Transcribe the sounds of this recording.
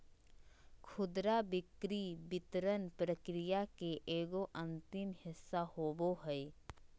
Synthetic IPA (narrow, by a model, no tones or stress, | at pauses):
kʰʊd̪ɾabɪkɾibɪt̪ɾənpɾəkɾɪjakeʔeːɡoʔɐ̃nt̪ɪmhɪsːahoːboɦɛj